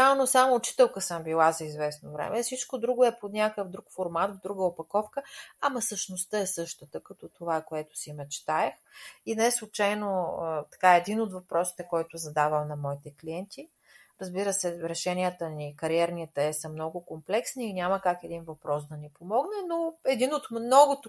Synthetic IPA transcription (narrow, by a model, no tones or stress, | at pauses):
anosamoːt͡ʃi̥t̪ɛlˠkəsəmbilˠazɐizvɛsnovɾɛ̰mʔɛfsit͡ʃkod̪ɾuɡʊɛponʲakəvd̪ɾukfoɾmat̪vd̪ɾuɡəopɐkɔfkəamɐsəʃnost̪əɛsɤʃt̪ət̪əkɐt̪ɔt̪ovaɛkoɛt̪ʊ̥simɛt͡ʃt̪aɛxinɛslˠʊt͡ʃajnoət̪ɐ̥kaɛɛd̪inot̪vɐpɾʔɔsi̥t̪ɛkɔjt̪ʊzɐd̪avəmnɐmɔit̪ɛkliɛnt̪i | ɾɐzbiɾəsɛɾɛʃɛniət̪ənikɐɾiɛɾnʲiət̪əɛsəmnɔɡʊkomplɛksniːnʲaməkakɛd̪invɐpɾɔsd̪ɐnipomɔɡnɛnoɛd̪inot̪mnɔɡʊt̪